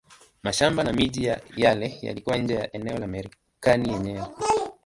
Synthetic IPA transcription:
maʃambanamiʄijajalɛja̰likuwaɲ̩d͡ʒɛjaʔɛnɛɔlamɛɾi | kanijɛɲɛwɛ

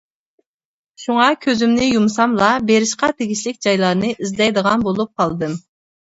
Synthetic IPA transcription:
ʃuŋɑkʲʰøzymnɪjumsɑmlˠɑbeɾɪʃqɑt̪ʰeɡʲiʃlɪk̚ʲd͡ʒɑjlˠɑɾnɨʔizlɛjd̪əʁɑnbolˠup̚qʰɑlˠd̪ɨm

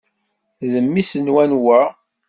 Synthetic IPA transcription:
ðəmːisənwænwæ

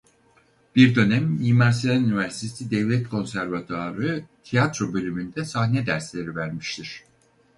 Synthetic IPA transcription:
b̥iɾd̪ø̞næmimaɾs̬it̪anynivæɾsi̥t̪ʰesid̪ɛvlʲɛt̪kʰo̞nsæɾvat̪ʰaɾɯt̪ʰijat̪ɾo̞bø̞lʲymynd̪ɛsahnɛd̪æɾslʲe̞ɾivæɾmiʃt̪ʰiɾ̥

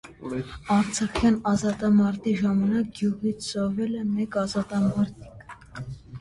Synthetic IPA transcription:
ɑɾt͡sʰɑχjɑnɑzɑt̪ɑmɑɾt̪iʒɑmɑnɑk̚ɡjuʁit͡sʰsɔvɛlɛmɛkɑzɑt̪ɑmɑɾt̪ʰi̥k

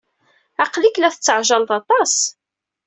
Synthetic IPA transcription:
ɑqliklæθət͡sːəʕʒɑlt̪ˤɑt̪ˤɑs

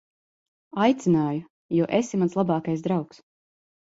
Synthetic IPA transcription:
ajt̪sinaːju | juɔʔesimanslˠabaːkajsd̪ɾawks

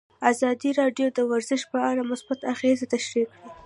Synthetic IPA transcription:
azɑd̪iɾɑɖjod̪əwaɾzɪʃpəaɽamʊsbat̪axezet̪aʃɾikɽi

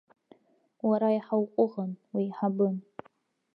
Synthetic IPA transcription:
waɾajiħawqʷʼʊʁɐnwiːħabɨn

